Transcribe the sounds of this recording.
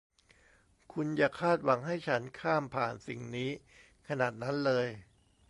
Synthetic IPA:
kʰu˧njaː˨˩kʰaː˥˩t̪̚wa˩˦ŋɦa˥˩jt͡ɕʰa˦˥nkʰaː˥˩mpʰaː˨˩nsi˨˩ŋniː˦˥ | kʰa˧naː˨˩t̪̚na˦˥nlɤː˧j

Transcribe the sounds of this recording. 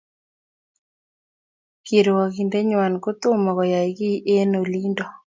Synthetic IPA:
ki˨ɾo˨wa˨ki˨nde˦ɲwa˨nko˦t̪ʊ˦mɔ˨kɔ˨ja˨i˨ɡi˦ʔe˦no˨li˦ndɔ˨

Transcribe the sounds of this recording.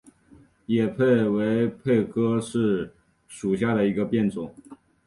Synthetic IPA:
jɛ˨˩pʰe˥˩ɪwe˧˥ɪpʰe˥˩ɪkʰɤ˥ʂɻ̩˥˩ | ʂu˨˩ɕja˥˩d̪ə˩i˧˥ɡə˧pjɛ˥˩nt͡sʊ˨˩˦ŋ

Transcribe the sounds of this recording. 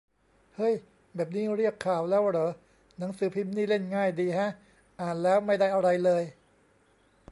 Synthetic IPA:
hɤ˦˥˩j | bɛː˨˩p̚niː˦˥ɾi˥˩əkʰːaː˨˩wlɛː˦˥wɾɤː˩˦ | na˩˦ŋsɯː˩˦pʰi˦˥mniː˥˩le˥˩nŋaː˥˩jdiː˧ha˦˥ʔ | ʔaː˨˩nlɛː˦˥wma˥˩jda˥˩jʔa˧ɾa˧jlɤː˧j

